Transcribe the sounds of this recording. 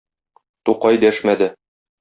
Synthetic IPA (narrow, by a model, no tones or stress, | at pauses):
t̪uqɑjd̪æʃmæd̪ɘ